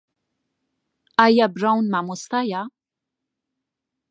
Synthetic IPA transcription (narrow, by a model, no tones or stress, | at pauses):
ajabɾawnmamɔst̪aja